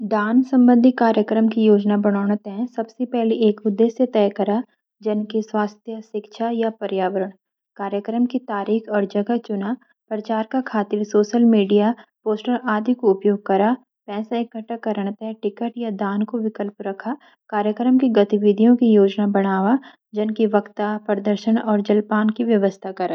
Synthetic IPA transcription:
d̪aːnsɐ̃mbə̃nd̪ʱikaːɾjəkɾəmkijoːd͡ʒnabɐɽ̃aːɽ̃ət̪ɦɛ̃sɐbsepɛɦleʔeːkʊd̪ʱːeːsjet̪ɛːkɐɾa | d͡ʒɐnkeswaːst̪ʰjəʃɪkʃʰajapɐɾjaːʋəɾəɽ̃ | kaːɾjəkɾəmkit̪aːɾiːxʰɔːɾd͡ʒɐɡat͡ʃʊna | pɾɐt͡ʃaːɾkakʰaːt̪ɪɾsoːʃəlmiːɖijapoːsʈəɾaːd̪ʱikoʊpjoːɡ̚kɐɾa | pɛːsaekːɐʈəkːɐɾəɽ̃t̪ɛʈɪkəʈjad̪aːnkoʋɪkəlpɾɐkʰa | kaːɾjəkɾəmkiɡɐt̪iʋɪd̪ʱijõkijoːd͡ʒnabɐɽ̃aːʋa | d͡ʒɐnkiʋɐkt̪apɾəd̪əɾʃəɽ̃ɔːɾd͡ʒɐlpaːnkiʋjɐʋəst̪ʰakɐɾaː

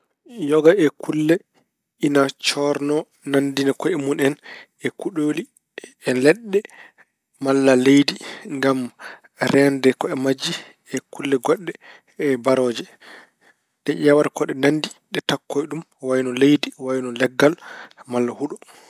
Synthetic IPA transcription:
jɔɡaʔɛkʰulːɛ | inat͡ʃɔɾnɔ | nandinakɔɛmunɛn | ɛkuɗoːli | ɛlɛɗːɛ | malːalejdiŋɡam | ɾɛndɛkɔɛmad͡ʒːi | ɛkulːɛɡɔɗːɛ | ɛbaɾɔːd͡ʒɛ | ɗɛʔawaɾkɔɗɛnandiɗɛtakːɔjɗum | wajnɔlejdiwajnɔlɛɡːalmalːahuɗɔ

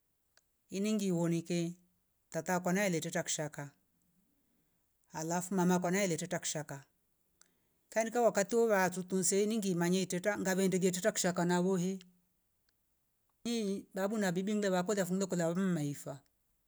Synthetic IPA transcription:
iniŋɡiwɔnikɛ | tatakwanaɛlɛtɛtaku̥ʃaka | alafumamak̬anaɛlɛtɛtaku̥ʃaka | kaɛnikawakatiɔβatutun̩sɛiniŋɡimaɲaitɛtaŋɡaβɛndɛɡɛtɛtaku̥ʃakanaβɔɦɛ | nibabunabibiŋlɛβakɔlafuŋlɛkɔlabam̩maifa

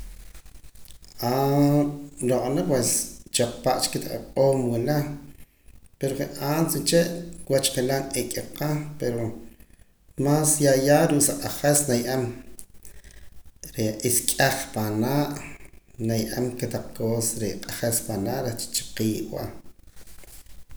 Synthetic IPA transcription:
ʔa | loqʼanapwest͡ʃaq͡χpaʔt͡ʃkːet̪aqaqʼoːmwila | peɾoχeʔaːnsit͡ʃeʔkwat͡ʃχelanekʼeqapeɾo | maːsjajaːɾuʔsaqʼaχesnajʔam | ɾeiskʼaχpanaːʔnajʔa̰mket̪aq͡χ̚koːsɾeqʼaχespanaːʔɾet͡ʃt͡ʃḁqiːʔwa̰

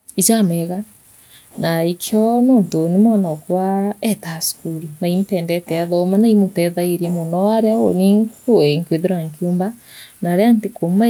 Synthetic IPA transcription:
it͡ʃamɛɣa | naikʰjɔnoːntonemɔnɔkwaɛtasu̥kuɾinaimtɛːndɛtɛaðɔmanaimotɛðaiɾeɛmonɔaɾao̰niŋkoeŋkweðeɾaŋkoːmba | naɾɛantekoma

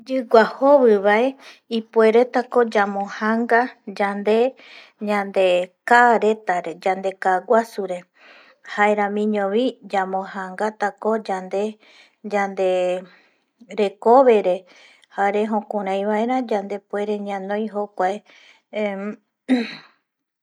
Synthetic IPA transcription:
d͡ʒɨɡʷahoβɨβae | ipue̞ɾe̞t̪ako̞d͡ʒamõhãŋɡad͡ʒand̪e̞ | ɲãnd̪e̞kaɾe̞t̪aɾe̞d͡ʒand̪e̞kaɡʷwasuɾe̞ | haeɾãmĩɲõβid͡ʒamõhãŋɡat̪ako̞d͡ʒand̪e̞ | d͡ʒand̪e̞ | ɾe̞koβe̞ɾe̞ | haɾe̞ɦõkõɾ̃ãj̃βae̞ɾãd͡ʒand̪e̞pue̞ɾe̞ɲãnõ̞j̃ɦokʷae

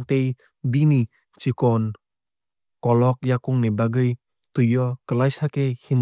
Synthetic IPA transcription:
t̪ej | bini | t͡ʃikɔn | kɔlɔk̚jakuŋnibaɡɯj | t̪ujɔkəlajsakehim

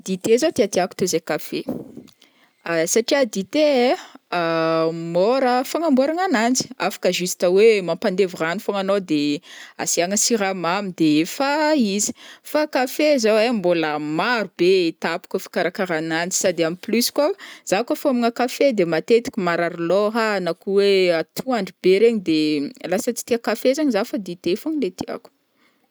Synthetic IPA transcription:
d̪it̪ezot̪eat̪eaku̥t̪ozekafe | asaʈ͡ʂiad̪it̪e | moɾəfaŋamboɾaŋanand͡zi̥afḁkəʒust̪əwemampand̪evuranifaŋanod̪ea̰siaŋəsiɾamamid̪efaizi̥fakafezawemboləmaɾub̥et̪api̥kəfi̥kaɾakaɾanand͡ʒi̥sad̪eamiplysi̥kwaz̥akafamiŋakafed̪emat̪et̪i̥kʲimaɾaɾloɦanakuweat̪ʰuaɳɖ͡ʐib̥eɾeɲid̪elasət͡si̥t̪iakafezaɲzafad̪et̪efaŋlet̪ia̰ku̥

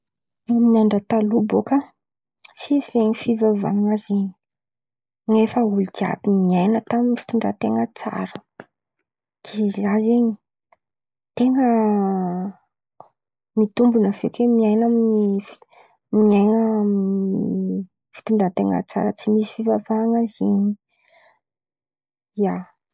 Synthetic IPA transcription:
miaɳɖ͡ʐət̪alubokə | sizzeɲifivava̰ŋazeɲi̥ | nefəulid̪ia̰biniajnət̪aminifi̥t̪uɳɖ͡ʐa̰t̪eŋət͡sa̰ɾə | d̪̥izazeɲi | t̪eŋə | mit̪umbunəvekemiajnaminif | miajnaaminni | fi̥t̪uɳdat̪eŋə̰t͡sa̰ɾət͡simisi̥fivavaŋazeɲi | ia

